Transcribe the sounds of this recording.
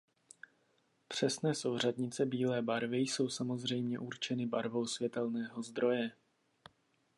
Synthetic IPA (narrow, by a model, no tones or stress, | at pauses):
pr̝̥ɛsnɛːso̞wr̝ad̪ɲɪt͡sɛbiːlɛːbaɾvɪjso̞wsamo̞zr̝ɛjmɲɛʔuɾt͡ʃɛnɪbaɾvo̞wsvjɛt̪ɛlnɛːɦo̞zd̪ɾo̞jɛ